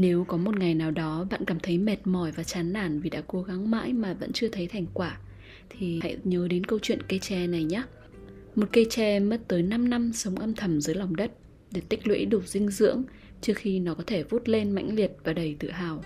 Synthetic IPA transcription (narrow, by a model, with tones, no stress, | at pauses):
ne˨˦wkɔ˨˦mo˨˩t̚ŋa˨˩jnaː˨˩wɗɔ˨˦ɓa̰ː˧˨nkaː˧˩mt̪ʰə˨˦jmɛ˨˩t̚mɔ˧˩jvaː˨˩t͡ɕaː˨˦nːaː˧˩nvi˨˩ɗa̰ː˧˥ko˨˦ɣa˨˦ŋma̰ː˧˥jmaː˨˩və̰˧˥nt͡ɕɨ˧ət̪ʰə˨˦jt̪ʰa˨˩jŋ̟kwaː˧˩ | t̪ʰi˨˩ha̰˧˨jɲəː˨˦ɗe˨˦nkə˧wt͡ɕwḭ˧˨ənkə˧jt͡ɕɛ˧na˨˩jɲaː˦ | mo˨˩t̚kə˧jt͡ɕɛ˧mə˦˥t̚t̪əː˨˦jna˧mna˧msə˨˦wŋ͡mʔə˧mt̪ʰə˧˩mzəː˨˦jla˨˩wŋ͡mɗə˦˥t̚ | ɗe˧˩t̪ï˦˥k̟̚lwḛ˧˥ɗu˧˩zï˧ŋ̟zɨ̰˧˥əŋ | t͡ɕɨ˦˥ək̚xi˧nɔ˨˦kɔ˨˦t̪ʰe˧˩vu˦˥t̚le˧nma̰˧˥jŋ̟li˨˩ət̚vaː˨˩ɗə˨˩jt̪ɨ̰˧˨ɦaː˨˩w